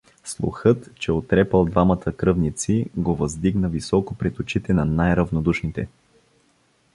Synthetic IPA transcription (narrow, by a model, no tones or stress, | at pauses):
slˠṵxɤt̪t͡ʃɛot̪ɾɛpəlˠd̪vamət̪ʰəkɾɤvnit̪siɡovəzd̪iɡnəvisɔkopɾɛt̪ot͡ʃit̪ɛnɐnajɾɐvnod̪uʃnit̪ɛ